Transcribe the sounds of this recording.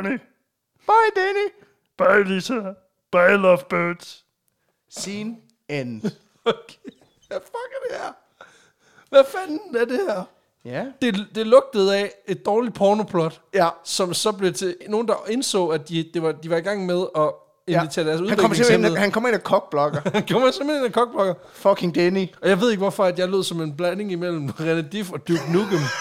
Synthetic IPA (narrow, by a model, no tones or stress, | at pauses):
ni | b̥ɑɪd̥æni | b̥ɑɪlisɐ | b̥ɑɪlɒfb̥øːd̥s | siːn | en | okʰe | æfɒɡ̥əd̥eæɐ | ʋæfæn̩æɐd̥e̝hæɐ̰ | d̥e̝d̥e̝lɔ̽ɡ̥̚d̥əð̞̩ˠɛe̝d̥̚ːɒːlid̥̚pʰɒːno̝pʰlɒd̥sɒ̽msɒ̽b̥le̝t͡sʰe̝no̝ːn̩d̥ɑ̈e̝nsɔ̰̽ːæd̥id̥e̝ʋɑ̈d̥iʋɑ̈iɡ̥ɑ̈ŋ̰með̞ˠɒ̽ | e̝ʋit͡sʰe̝ɐd̥æɐs̬uðˠhnbɡɒmeŋʰeenðˠhænkʰɒ̽m̰ɐe̝nækʰɒ̽ɡ̥̚b̥lɒ̽ɡ̥ɐænkʰɒmɐsemhene̝nækʰɒ̽ɡ̥̚b̥lɒ̽ɡ̥ɐ | fɒkʰeŋd̥eniɒ̽jɑ̈ɪe̝ð̞̰ˠeɡ̥ʋɒfɒ̽æd̥jɑ̈ɪlo̝ð̞̰ˠsɒ̽me̝nb̥læne̝ŋimel̰m̩ʁenəd̥ifɒ̽d̥juɡ̥nuɡəm